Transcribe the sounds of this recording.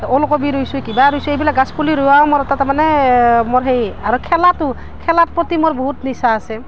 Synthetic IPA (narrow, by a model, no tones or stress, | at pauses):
olkobiɾojsʊkibaɾojsuejbilak̚ɡaspuliɾʊaomɔɹɔtatɛmanɛmɔɹɦejaɹukʰɛlatʊ | kʰɛlat̚pɹɔtimoɹboɦutnisaːsɛ